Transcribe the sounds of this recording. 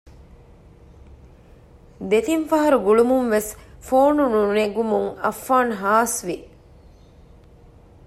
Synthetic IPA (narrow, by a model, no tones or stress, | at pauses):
d̪et̪infɐɦɐɾuɡuɭumunʋesfoːnununeɡumuŋɐfːaːnɦaːsʋi